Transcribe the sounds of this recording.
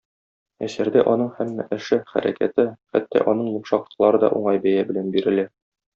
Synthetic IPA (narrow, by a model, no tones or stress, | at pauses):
æsæɾd̪æʔɒn̪ɤɴhæmːæ̰ʔɘ̆ʃɘχæ̰ɾæ̰kæ̰t̪ɘχæt̪ːæ̰ʔɒnɤɴj̪ŭmʃɑqlˠɤ̥̆qlˠɑɾɤd̪ɒ̰ʔuɴɑjbæjæbɘ̆lænbiɾɘ̆læ